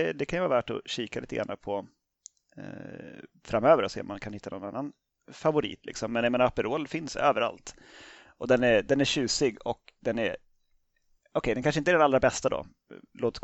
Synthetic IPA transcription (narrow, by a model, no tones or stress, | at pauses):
ɛd̪ɛkʰanjəvaːvæːʈɔ̰ɕiːkaliːt̪əɡɾa̰napʰɔ | fɾamøːvəɾɔsḛːɔmːankʰanhɪt̪ːanɔna̰nːan | favʊɾḭːt̪lɪ̰ksɔmːɛnjameːnaapːəɾoːlfɪnsø̰ːvəɾa̰lt̪ | ʔɔd̪ɛnæɾd̪ɛnæɕʉ̟ːsɪɡɔkd̪ɛnæɾ | ɔkʰɛɪd̪ɛnkanʂəɪnt̪ɛɖɛnalɾabɛst̪ad̪ɔ̰ | loːt̪